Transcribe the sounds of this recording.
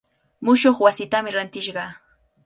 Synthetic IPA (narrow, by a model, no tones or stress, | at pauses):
mʊʃoχwasɪt̪amɪɾant̪ɪʃɢɑ